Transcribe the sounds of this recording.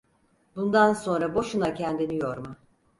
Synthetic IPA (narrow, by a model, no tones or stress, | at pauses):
bund̪anso̞nɾabo̞ʃunacʰɛnd̪inijoɾma